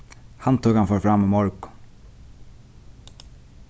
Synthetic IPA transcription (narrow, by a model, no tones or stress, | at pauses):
hant̪ʰuːkanfɔɹfɾamimɔɹkʊ̥